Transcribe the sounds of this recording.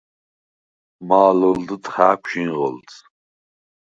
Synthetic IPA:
maːləld̪ɨt̪ʼχaːkʷʰʼʃinʁə̰lt̪ʰ

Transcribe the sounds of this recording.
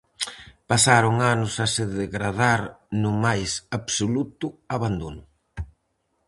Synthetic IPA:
pasaɾʊŋanʊsasɪðeɣɾað̞aɾnʊmajsaβsolut̪ʊaβand̪onʊ

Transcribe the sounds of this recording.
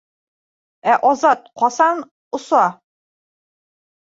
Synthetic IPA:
æʔɒzɑt̪̚qɒsɑn | ŏsɑ

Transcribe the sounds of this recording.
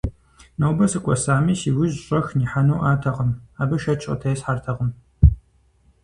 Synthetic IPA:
nɐwbɐsɨkʷʼɔsaːmiːsiːwiʑɕʼɐxniːħanowʔaːtʰɐʁəmaːbɨʃɐt͡ʃʼɐ̰tʰɐjsħartʰɐʁəm

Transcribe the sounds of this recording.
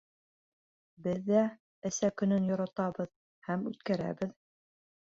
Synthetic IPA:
bɘðːæ | ɘ̆sækɵ̆nɵnjŏɾɑt̪ɑbɤð | hæmʉt̪kæɾæ̰bɘð

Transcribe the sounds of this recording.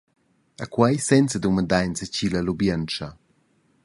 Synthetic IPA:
akwajsɛnt͡səd̪uməd̪ajnsəcilalubjənt͡ʃɐ

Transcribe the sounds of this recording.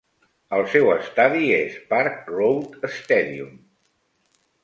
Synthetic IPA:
əlˠsɛwəst̪aðiespaɾk̚rowt̪əst̪ɛðium

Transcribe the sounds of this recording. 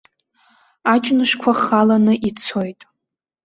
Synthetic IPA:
at͡ʃʼnɨʂkʷʰaχalanɨʔit͡sʰo̞jtʼ

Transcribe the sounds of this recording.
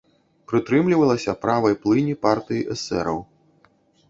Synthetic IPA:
pɾɨt̪ɾɨmlʲivɐlˠɐsʲɐpɾavɐjplˠɨnʲipart̪ɨjiʔɛsɛ̰ɾɐw

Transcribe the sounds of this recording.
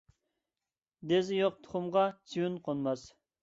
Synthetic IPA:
d̪ezɪjoq̚t̪ʰʊ̥χʊmʁɑt͡ʃʰiwynqʰonmɑs

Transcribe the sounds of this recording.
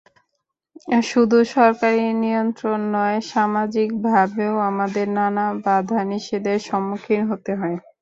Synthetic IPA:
ʃud̪ʱuʃɔɾkaɾinijont̪ɾonːɔeʃamad͡ʑik̚bʱabeoamad̪eɾnanabad̪ʱaniʃed̪eʃɔmːokʰːinɦot̪eɦɔe

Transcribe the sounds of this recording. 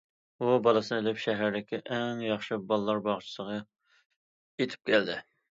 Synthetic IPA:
ubɑlˠɨsɨnɨelɪpʃɛɦæɾd̪ɪkʲiʔɛŋjɑχʃɨbɑlˠlːˠɑɾbɑʁt͡ʃʰɪ̥səʁɑ | jet̪ʰɪ̥p̚kʲʰɛld̪ɪ

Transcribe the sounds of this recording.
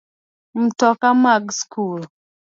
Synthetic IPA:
m̩tɔkamaɡskul

